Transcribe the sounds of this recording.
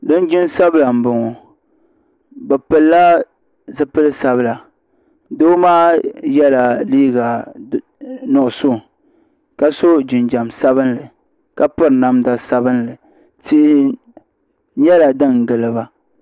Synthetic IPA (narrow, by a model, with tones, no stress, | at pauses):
dɨ˦n˦d͡ʒɪ˦nsa˦bla˨m̩˨bʊ˨ŋɔ˨ | bɛ˨pɨ˨lːa˦ | zɨ˦pɨ˦lɨ˦sa˨bɨ˦la˨ | doː˦maː˦jɛ˦la˨liː˦ɡa˨ | nɔ˨ʔʊ˨so˦˨ | ka˦so˦d͡ʒɪ˨nd͡ʒa˨msa˦βɨ˦nlɨ˨ | ka˦pɨ˦ɾna˦mda˦sa˦bɨ˦nlɨ˨ | ti˦ʔɪ˦ | ɲɛ˦la˨dɨ˦ŋ˨ɡɨ˨lɨ˨ba˨